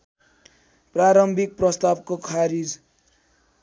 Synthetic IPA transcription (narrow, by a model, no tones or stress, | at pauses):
praɾʌmbʱik̚prʌst̪abkokʰaɾid͡z